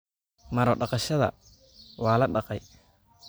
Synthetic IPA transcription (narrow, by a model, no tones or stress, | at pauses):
mɐɾɔɖɑqɑʃɐðɐ̰ | wɑːlɐɖɑqɑj